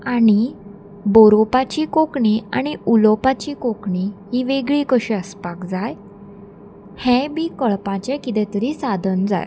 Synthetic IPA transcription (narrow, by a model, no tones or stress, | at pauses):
aɽ̃i | boɾopat͡ɕiːkokɳia̰ɽ̃iulopat͡ɕiːkokɳihiːʋeɡɭiːkəɕĩəspakd͡zaj | hɛ̃biːkəɭpãt͡ɕɛkit̪ɛ̃t̪əɾisad̪ʱənd͡za̰j